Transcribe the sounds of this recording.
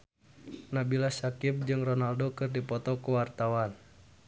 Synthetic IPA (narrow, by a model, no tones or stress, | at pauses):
nabilasakɪp̚d͡ʒɨŋrɔnaldokɨrdipɔt̪ɔkuwart̪awan